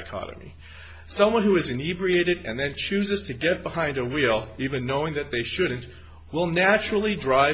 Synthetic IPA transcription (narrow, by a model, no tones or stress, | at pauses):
kʰɑ̰nɨ̰mḭ | sʌ̃mwʌ̃nhuɨzɨnibɹieɪɾɨɾɨ̰̃nðɨ̃nt͡ʃʰʉzɨz̥tʰɨɡɛt̚b̥əhãɪ̃ndəwilˠivɨ̃nːoʊɪ̃ŋðɨt̪̚ðeɪʃʊdⁿn̩t | wɪlˠnæt͡ʃɹl̩ˠidɹaɪ